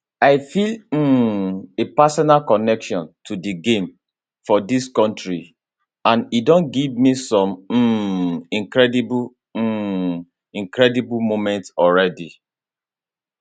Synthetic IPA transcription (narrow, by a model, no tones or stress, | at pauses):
aɪfil̩ | epasɔnalkɔnɛkʃɔ̃ntʰudiɡẽm | fɔdiskɔ̃ntɹi | ãnidɔ̃nɡivmisɔ̃m̩ | ĩŋkɹɛdibu | ĩŋkɹɛdibumomɛ̃ntɔlɹɛdi